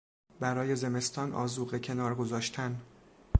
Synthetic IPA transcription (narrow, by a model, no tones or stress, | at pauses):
bæɾɒːje̞ze̞me̞st̪ʰɒːnʔɒ̰ːzuːɣecʰe̞nɒːɾɡo̞zɒːʃt̪ʰæn